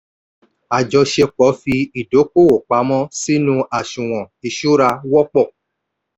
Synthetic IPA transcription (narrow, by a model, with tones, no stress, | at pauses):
a˨d͡ʒɔ˧ʃɛ˧k͡pɔ˨˦fi˧i˨do˨˦ko˦˨o˨k͡pa˨˦mɔ̃˦si˦nũ˧a˨ʃũ˨w̃ɔ̃˨i˨ʃo˦ɾa˧wɔ˦k͡pɔ˦˨